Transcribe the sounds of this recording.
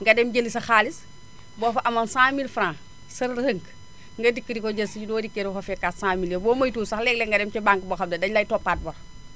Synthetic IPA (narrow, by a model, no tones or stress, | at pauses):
ŋɡɐdɛmɟəlisɐxaːlis | bɔːfɐʔɐmɐnsaːmilfɾãː | sɐɾhəŋk | ŋɡɐdikːədikoɟɐsiɟudɔːdikːeɾfɐfɛkːaːtsãːmiljɛbɔmɐjtuːsaxlɛːk̚lɛŋɡɐdɛmt͡ʃɛbaŋkboxɐmdɐdɐɲlajtɔpːaːt̚bɐɾ